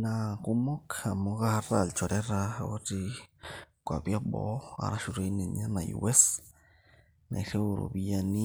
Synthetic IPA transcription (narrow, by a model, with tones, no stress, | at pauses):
na˧ku˧mo˦ka˨mo˧ɣa˦ha˧ɾa˦˨lt͡ʃo˨ɾe˦ɾa˧o˦t͡ʃi˧ | kʷa˨bja˦bo̰˨˦a̰˨ɾa˦ʃu˧ɾe˧˦ni˨ɲa˦na˨jṵ˨we˦s | nã̰˨jɬe˦˧ɾo̰˨bi˧ja˧ni˦